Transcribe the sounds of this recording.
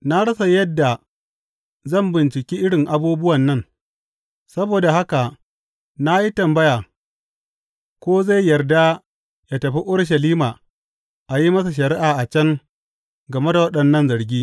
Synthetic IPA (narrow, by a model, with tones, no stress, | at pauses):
na˦ɽɐ˦sa˨jɐ˦dːa˨ | zɐ˦˨mbɪ˨nt͡ʃɪ˨kʲi˦ʔɪ˦ɽɪ˨ŋʔa˨buː˦bʊ˦wɐ˨nːɐ˦ŋ | sɐ˦boː˨da˨ha˦ka˨ʔ | na˦ji˦tɐ˨mbɐ˦jaː˨ | kʷoː˦za˦˨jːɐ˨rda˦ | jaː˦tɐ˨ɸi˦ʔʊ˦ɽʃ̬ɐ˨liː˦maː˨ | ʔa˨ji˦mɐ˦s̬a˨ʃ̬ɐ˨ɾɪ˦ʔaː˨ʔa˨t͡ʃɐ˦ŋ | ɡɐ˨me˦da˨wɐ˦ɗɐ˨nːɐ˦nzɐ˨ɽɡʲiː˦